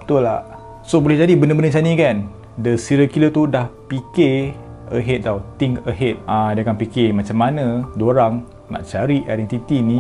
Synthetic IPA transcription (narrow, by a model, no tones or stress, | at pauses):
ət̪ula | sobolɛɦd͡ʒadibəndəbəndət͡ʃanikan | dəsiɾəkilət̪udahpikeəɦet̪̚dawt̪iŋkəɦet̪̚ãdəkanpikemãt͡ʃamːanãdoɾaŋ | na̰ʔt͡ʃaɾiʔadɛnt̪it̪inĩ